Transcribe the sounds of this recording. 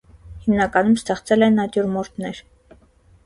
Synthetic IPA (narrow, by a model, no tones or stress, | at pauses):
himnɑkɑnumst̪ɛχt͡sɛlɛnɑt̪jɔɾmɔɾt̪ʰnɛɾ